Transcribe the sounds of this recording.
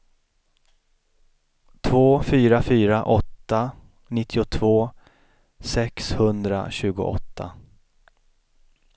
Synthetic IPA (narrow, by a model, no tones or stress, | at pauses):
t̪ʰvoːfyːɾafyːɾaʔɔt̪ːa | nɪt̪ʰːɪʊt̪ʰvoː | sɛkshɵnd̪ɾa̰ɕʉ̟ːɡʊ̰ʔɔ̰t̪ʰːa̰